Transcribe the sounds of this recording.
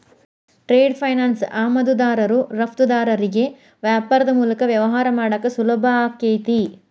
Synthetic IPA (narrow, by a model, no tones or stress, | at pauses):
ʈɾeːɖpʰɐjnaːnsaːmɐd̪ud̪aːɾɐɾuɾɐpʰt̪ud̪aːɾɐɾiɡe̞ | ʋjaːpɐɾɐd̪ɐmuːlɐkɐʋjɐʋɐɦaːɾɐmaːɽɐkːɐsulɐbʱɐaːkːejt̪i